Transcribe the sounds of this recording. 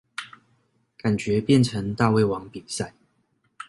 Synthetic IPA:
ka˨˩nt͡ɕɥɛ˨˧˦pjɛ˥˨nʈ͡ʂʰə˨˧˦ŋt̪a˥˧we˥˩ɪwɑ˧˥ŋpi˨˩sa˥˩ɪ

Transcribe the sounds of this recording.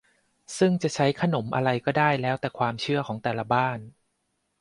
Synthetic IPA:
sɯ˥˩ŋt͡ɕa˨˩t͡ɕʰa˦˥jkʰa˧no˩˦mʔa̰˧ɾa˧jkɔː˥˩daː˥˩jlɛː˦˥wt̪ɛː˨˩kʰwaː˧mt͡ɕʰɯ˥˩ɐkʰɔː˩˦ŋt̪ɛː˨˩la˧baː˥˩n

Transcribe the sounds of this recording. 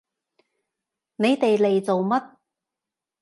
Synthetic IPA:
ne˨˧jt̪e˨jle˨jt͡so˨wmɐ˥t̚

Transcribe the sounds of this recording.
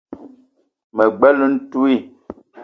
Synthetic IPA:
mə˨ɡ͡bɛ˦lu˦n̩˦tu˦i˦˨

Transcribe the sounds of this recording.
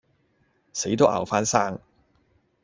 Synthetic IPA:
se˨˥jt̪o˥ʔɐ̰˨˩wfaː˥nsaː˥ŋ

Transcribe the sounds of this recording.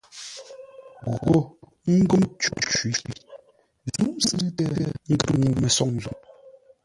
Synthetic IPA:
ɣo˨ | ŋ̩˦ɡo˦mt͡ʃu˦t͡ʃi˨˦˨ | zu˦msɨ˦tɛ˦ŋ̩˦ɡə˦ɾŋu˨mɛ˨sɔ˦˨ŋ˨zu˨

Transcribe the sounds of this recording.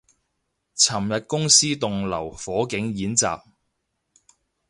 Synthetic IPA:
t͡sʰɐ˨˩mjɐ˨t̚kʊ˥ŋsiː˥t̪ʊ˨ŋlɐ˨˩wfɔː˨˥kɪ˨˥ŋjiː˨˥nt͡sa̰ː˨p̚

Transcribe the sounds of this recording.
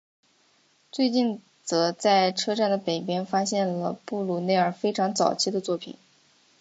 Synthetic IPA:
t͡swe˥˧ɪt͡ɕi˥˩n | t͡sɤ˧˥t͡sa˥˩ɪʈ͡ʂʰɤ˥ʈ͡ʂa˥˩nd̪ə˩pe˨˩ɪpjɛ˥nfa˥ɕjɛ˥˩nlə˩pu˥˩lu˨˥˩ne˥˩ɪə˞˨˩fe˥ɪʈ͡ʂʰɑ˧˥ŋt͡sɑ˨˩ʊt͡ɕʰi˥˧d̪ə˧t͡swɔ˥˩pʰḭ˨˩˦n

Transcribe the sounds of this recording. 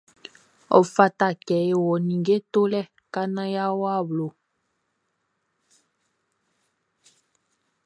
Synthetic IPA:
ɔ̰˨fa˦ta˨kɛ˨˦e˨wɔ˨nĩ˨ɡe˦to˦lɛ˦˨ | ka˦nã˦ja˦wa˦˨blo˨

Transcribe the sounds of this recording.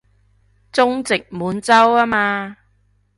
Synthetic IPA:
t͡sʊ˥ŋt͡sɪ˨k̚muː˨˧˥nt͡sɐ˥waː˥maː˧

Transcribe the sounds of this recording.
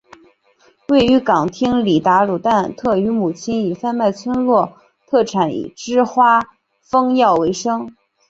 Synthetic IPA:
we˥˩ɪy˧˥kɑ˨˩ŋt̪ʰi˥ŋli˨˩t̪a˧˥lu˨˩t̪a˥˧nt̪ʰɤ˥˩y˧˥mu˨˩t͡ɕʰi˥ni˨˩fa˥˧nma˥˩ɪt͡sʰwə˥nlwɔ˥˧ | t̪ʰɤ˥˩ʈ͡ʂʰa˧˥nḭ˨˩ʈ͡ʂɻ̩˥xwa˥ | fɤ˥ŋjɑ˥˩ʊwe˧˥ɪʂɤ˥ŋ

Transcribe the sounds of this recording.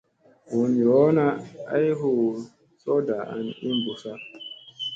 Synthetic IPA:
wu˨njɔ˨˦na˦a̰˦jɦo˨ | sɔ˦da˨ʔa̰˦ni˦mbu˨sa˦

